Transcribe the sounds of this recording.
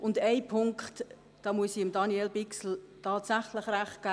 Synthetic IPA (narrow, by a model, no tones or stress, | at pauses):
ʔʊndɛɪpʰʊŋkχt | d̥ɑːmuəsiɪmdɑniɛlbɪksl̩tʰɑːtsæχlɪχræχt̚ɡ̥a